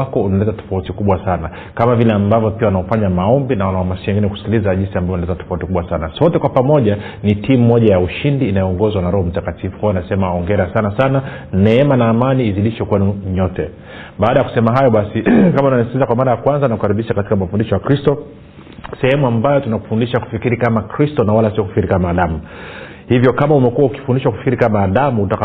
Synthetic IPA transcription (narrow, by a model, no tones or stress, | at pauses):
akɔunalɛtatɔ̥fautikuɓwasana | kamavilɛambavjɔpiaunaɔfaɲamaɔmbinawanawamasiwɛŋɡinɛku̥si̥kilizaʄinsiambavɔnalɛtatɔ̥fautikuɓwasanasɔtɛkwapamɔʄa | nitimuːɔʄajauʃindiːnajɔɔŋɡɔzwanaɾɔhɔm̩takatifukhɔanasɛmaɔŋɡɛɾasanasana | nɛɛmanaːmaniːziɗiʃwɛkwɛnuɲɔtɛ | ɓaːɗajaku̥sɛmaɦajɔɓasikamaunaisikizakwamaɾajakwanzanakuhaɾiɓiʃakatikamafundiʃɔjakɾistɔ | sɛhɛmuambajɔtunaku̥fundiʃaku̥fikiɾikamakɾistɔnawalasiɔku̥fi̥kiɾikamaːɗamu | hivjɔkamaumɛkuwauki̥fundiʃwaku̥fi̥kiɾikamaːɗamuutaka